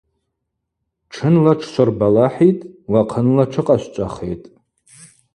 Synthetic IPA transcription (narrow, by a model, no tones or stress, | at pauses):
ʈ͡ʂʰɨnlaʈ͡ʂʰʃʷarbalaħitʼwaqʰənlaʈ͡ʂʰɨqʼaʃʷt͡ʃʷʼaχḛjtʼ